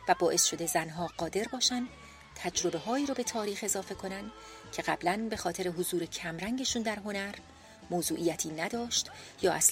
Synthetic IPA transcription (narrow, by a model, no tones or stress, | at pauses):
væbɒːʔe̞sʃo̞d̪ezænɦɒːɢɒːd̪e̞ɾbɒːʃænd̪ | t̪ʰæd͡ʒɾo̞be̞ɦɒːiːɾobe̞t̪ʰɒːɾiːxe̞zɒːfe̞kʰo̞nænd̪ | cʰe̞ɣæblænbe̞xɒːt̪ʰe̞ɾe̞ɦozuːɾe̞cʰæmɾæŋɟe̞ʃuːnd̪æɾɦo̞næɾ | moːzuːʔiːjæt̪ʰiːnæd̪ɒːʃt̪jɒːʔæs